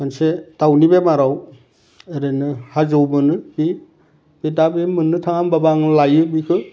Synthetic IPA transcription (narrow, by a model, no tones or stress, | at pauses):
mansedawnibemaɾaw | eɾenɯhazowmɯnɯbi | bedabemɯnːɯtʰaŋambabaŋlajɯbikʰɯ